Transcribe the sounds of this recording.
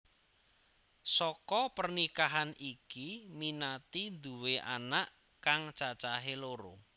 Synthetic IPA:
sɔkɔpərnikaɦanikiminat̪ind̪uweʔa̰naʔ | kaŋt͡ʃat͡ʃaɦeloɾo̰

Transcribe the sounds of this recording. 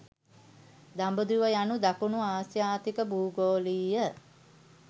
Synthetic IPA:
d̪ambəd̪uʋəjanud̪akunuaːsjaːt̪ikəbuːɡoːliːjə

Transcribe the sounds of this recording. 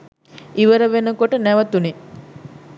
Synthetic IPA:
ʔiʋəɾəʋenəkoʈənæʋət̪une

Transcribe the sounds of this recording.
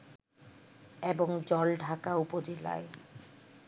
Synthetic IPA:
eboŋd͡ʑɔlɖʱakaupod͡ʑela̰e

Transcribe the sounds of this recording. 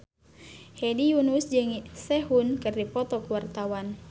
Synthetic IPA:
hɛdijunusd͡ʒɨŋsɛɦunkɨrdipɔt̪ɔkuwart̪awan

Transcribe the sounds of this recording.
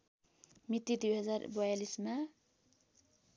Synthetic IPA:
mit̪ːid̪ujɦʌd͡zarbʌjalisma

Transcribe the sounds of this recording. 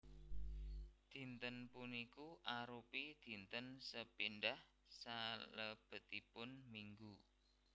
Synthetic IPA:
d̪̥i̤nt̪ənpunikuʔaɾupid̪̥i̤nt̪ənsəpinɖah | saləb̥ə̤t̪ipʊnmiŋɡu

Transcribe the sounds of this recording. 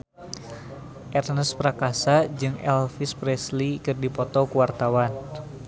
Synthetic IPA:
ʔɛrnəspɾakasad͡ʒɨŋɛ̰lfispɾɛslikɨrdipɔt̪ɔkuwart̪awan

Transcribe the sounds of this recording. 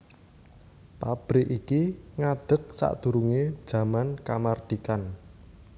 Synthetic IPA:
pab̥ɾɪʔikiŋad̪̥ə̤k̚sa̰ʔd̪̥ṳɾuŋe̥ʒ̥a̤mankamard̪̥ikan

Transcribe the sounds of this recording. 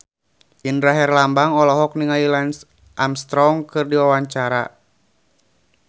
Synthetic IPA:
inɾaɦɛrlambaŋɔlɔɦɔk̚niŋailans | ʔamst̪ɾɔŋkɨrdiwawaɲt͡ʃaɾa̰

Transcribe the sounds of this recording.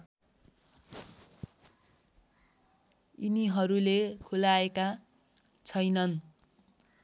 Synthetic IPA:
iniɦʌɾulekʰulaeka | t͡sʰʌjnʌn

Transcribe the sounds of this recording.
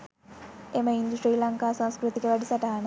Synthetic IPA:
eməind̪usʈɾiːlɐŋkaːsãw̃skɾut̪ikəʋæɖisaʈaːanə

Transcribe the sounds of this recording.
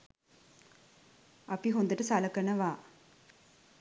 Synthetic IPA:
ɐpiɦond̪ɐʈɐsalɐkɐnɐʋaː

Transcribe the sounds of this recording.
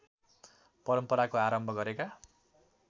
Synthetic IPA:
pʌɾʌmpʌɾakoaɾʌmbʱʌɡʌɾeka

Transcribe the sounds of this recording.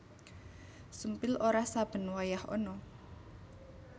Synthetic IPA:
sumpɪlʔoɾahsab̥ə̤nwajahɔ̰nɔ

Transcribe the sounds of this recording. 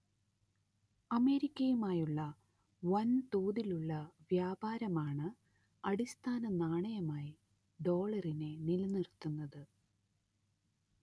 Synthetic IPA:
ɐme̞ːɾikʲːɐjumaːjuɭːɐ | ʋɐnt̪oːðiluɭːɐʋjaːbaːɾɐmaːɳɨ | ɐɽist̪ʰaːnɐnaːɳɐjɐmaːji | ɖo̞ːɭɐrinenilnirt̪ːunːɐðɨ

